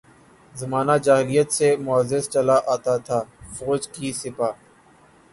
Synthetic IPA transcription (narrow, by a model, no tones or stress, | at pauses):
zɐmaːnad͡ʒaːɦɪlijət̪semʊəzɪst͡ʃɐlaʔaːt̪at̪ʰaːfoːd͡ʒkisɪpaː